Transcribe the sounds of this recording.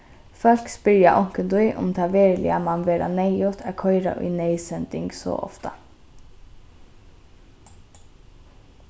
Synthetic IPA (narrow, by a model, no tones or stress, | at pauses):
fœlkspʏɾjɑʔɔŋkənd̪ʉʏʔʊ̰mt̪ʰɑːʋeːɾlɪ̰ɑmɑnʋeːɾa̰neɪut̪ʰæːkʰɔʏɾɑ̰ʔʉ̰ɪneɪsɛnd̪ɪŋɡso̰ːʔɔ̰ft̪ɑ